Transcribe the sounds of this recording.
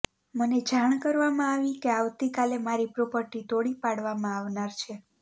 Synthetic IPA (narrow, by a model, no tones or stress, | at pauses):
məned͡ʒaɳ̃kəɾʋamãaʋikeaʋt̪ikalemaɾipɾopəɾʈit̪oɽipaɽʋamãaʋnaɾt͡ʃʰe